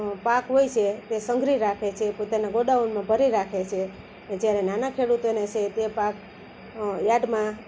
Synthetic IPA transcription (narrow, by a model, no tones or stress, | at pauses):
pakɦojt͡ʃʰet̪esəŋɡʱɾiɾakʰet͡ʃʰepot̪anaɡoɖaunmãbʱəɾiɾakʰet͡ʃʰe | ed͡ʒjaɾenanakʰeɽut̪onet͡ʃʰet̪epak | jaɖmã